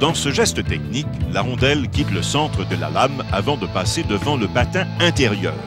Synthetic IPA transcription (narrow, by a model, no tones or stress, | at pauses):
d̪̥ɑ̃səʒɛst̪ət̪ɛkniklaʁɔ̃d̪ɛlkʲit̪ləsɑ̃t̪χəd̪əla̰lamavɑ̃d̪əpased̪əvɑ̃ləbat̪ɛ̃ɛ̃t̪eʁjœ̰ːʁ